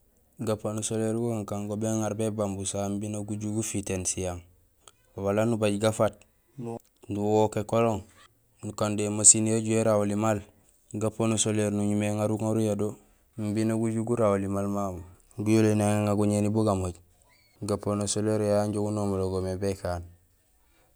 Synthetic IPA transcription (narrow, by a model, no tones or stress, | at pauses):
ɡaponosoleɾɡukaŋkaŋɡobeŋaɾbebambusambinaɡuɟuɡufitensijaŋ | walanubaɟɡafat̚ | duwokekoloŋ | nukandemasinjoɟujeɾawolimal | ɡaponosoleɾnuɲumeŋaɾukŋaɾujado | mbinoɡuɟuɡuɾawolimalmabu | ɡujolenaŋŋaɡuɲenibuɡamoɟ | ɡaponosoleɾjaɲɟoɡunomoloɡomebekan